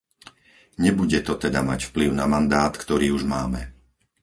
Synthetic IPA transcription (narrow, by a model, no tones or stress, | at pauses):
ɲɛbuɟɛt̪ɔt̪ɛd̪amacfpliʊnamand̪aːt̪kt̪ɔɾiːuʒmaːmɛ